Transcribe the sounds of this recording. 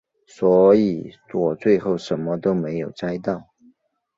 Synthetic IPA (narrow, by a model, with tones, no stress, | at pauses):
swɔ˧˥i˨˩t͡swɔ˨˩t͡swe˥˧ɪxo˥˩ʊʂə˧˥nmə˦t̪o˥ʊme˧˥ɪjo˨˩ʊt͡sa˥ɪt̪ɑ˥˩ʊ